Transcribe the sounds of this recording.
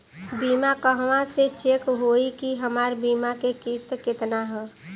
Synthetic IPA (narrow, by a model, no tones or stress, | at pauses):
biːmakəɦʋãset͡ʃekɦoikiɦəmaːɾbiːmakekist̪kɪt̪naɦɛː